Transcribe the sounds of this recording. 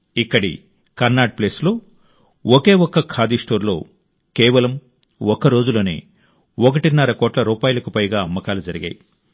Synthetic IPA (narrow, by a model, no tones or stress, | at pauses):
ikːɐɽḭ | kɐɾnaːɖ̚pleːslo̞ː | ɔke̞ːwɔkːɐkʰaːd̪isʈo̞ːɾlo̞̰ː | kɛːʋɐlɐm | ɔkɐɾo̞ːd͡ʒuloːnḛː | ɔkɐʈinɐɾɐkɔːʈlɐɾuːpaːjulɐkupɐjɡaːɐmːɐkaːlud͡ʒɐɾiɡa̰ːji